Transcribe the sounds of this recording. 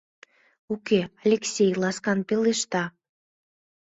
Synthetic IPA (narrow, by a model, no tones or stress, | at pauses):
ukʲealʲeksʲejlˠɑskɑnpʲelˠeʃt̪ɑ